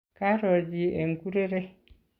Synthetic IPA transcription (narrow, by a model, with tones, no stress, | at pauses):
ka˦ɾo˨d͡ʒi˨e˨ŋku˦ɾe˦ɾe˦